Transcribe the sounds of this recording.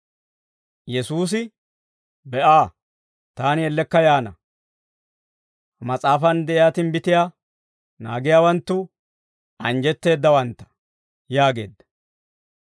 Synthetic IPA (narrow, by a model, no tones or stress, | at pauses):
jɛsuːs̬ɪ | bɛʔaː | t̪aːnɪɛlːɛkːɐjaːnɐ | mɐt͡sʼaːfɐnd̪ɛʔɪjaːt̪ɪnbɪt̪ɪjaː | naːɡɪjaːwɐnt̪ːʊ | ɐnd͡ʒɛt̪ːe̞ːd̪ːɐwɐnt̪ːɐ̥ | jaːɡe̞̰ːd̪ːɐ̥